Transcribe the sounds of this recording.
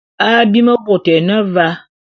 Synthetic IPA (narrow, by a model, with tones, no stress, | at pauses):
a˦bi˦mə˦bo˨tɛ˨nə˦va˦